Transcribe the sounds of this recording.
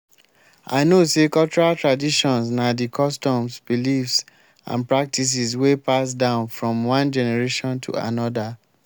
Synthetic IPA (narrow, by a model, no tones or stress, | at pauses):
a̰ɪnosekɔlt͡ʃɔɹaltɹadiʃɔ̃nsnadikʰɔstɔ̃msb̥ilifs | ã̰npɹak̚tis̬is̬wepas̬dãʊ̃nfɹɔ̃mwãnd͡ʒɛnɛɹeʃɔ̃ntʰṵa̰nɔda